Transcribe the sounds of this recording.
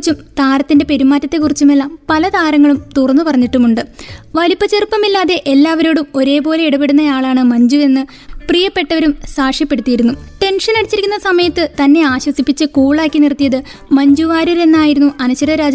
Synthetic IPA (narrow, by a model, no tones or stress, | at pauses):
t͡ɕːumt̪aːɾɐt̪ːinde̞pe̞ɾumaːtːɐt̪ːe̞kːurit͡ɕːumelːampɐlɐt̪aːɾɐŋːɐɭumt̪urɐnːɨpɐrɐɲːiʈːumuɳɖɨʋɐlipːɐt͡ɕːerpːɐmilːaːðe̞ʔelːaːʋɐɾo̞ːɽumo̞ɾe̞ːbo̞ːle̞iɽupe̞ɽunːɐjaːɭaːɳɨmɐɲd͡ʑue̞nːɨ | prijɐpːe̞ʈːɐʋɐɾumsaːʂjɐpːe̞ɽut̪ːijiɾunːuʈe̞nʂɐnɐɽit͡ɕːiɾikʲːunːɐsɐmɐjɐt̪ːɨt̪ɐnːe̞aːɕwɐsipːit͡ɕːɨkuːɭaːkːinirt̪ːijɐðɨ | mɐɲd͡ʑuʋaːɾiɾe̞nːaːjiɾunːuʔɐnɐɕɐɾɐɾaːd͡ʑ